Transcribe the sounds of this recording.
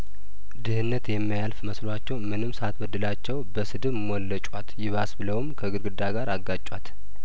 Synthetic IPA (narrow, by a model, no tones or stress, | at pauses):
d̪ɨhɨnːət̪jɛmːijalfməslat͡ʃːɛwmɨnɨmsat̪wəd̪ːɨlat͡ʃːɛwbəsɨd̪ɨmwɔlːət͡ʃʼwat̪jɪβasbɨləwmkʰəɡɨɾɡɨd̪aɡaɾaɡːat͡ʃʼwat̪